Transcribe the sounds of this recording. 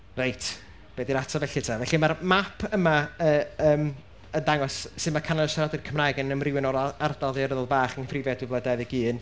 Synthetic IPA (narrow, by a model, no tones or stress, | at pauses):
rejtʰ | b̥eːdinatʰɔvɛɬɪtʰavɛɬimarmapʰəmaəəːm | əndaŋɔssɨðmakʰanaəʃaɾɔdɪr̥kʰəmrajɡɪnənəmrɪwɪnɔɾaardalˠðiəɾəðəlˠbaːχənfʰrɪvjɛdɨblˠədaðiɡiːn